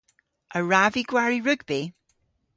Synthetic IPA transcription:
ʔəɹaviɡwaɹiɹʉɡbi

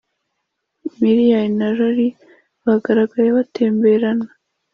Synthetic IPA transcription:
miɾijainaɾoɾi | βaɡaɾaɡajeβatʰeːmbeɾana

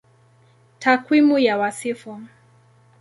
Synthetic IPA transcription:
tʰakwimujawasifɔ

